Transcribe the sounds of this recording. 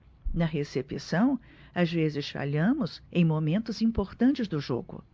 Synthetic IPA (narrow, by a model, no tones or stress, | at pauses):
nɐɦesepisɐ̃w̃ | azvezɪsfa̰ʎɐ̃mʊzẽj̃momẽnt̪ʊzĩpoɾt̪ɐ̃nt͡ʃɪzd̪ʊʒo̰ɡʊ̰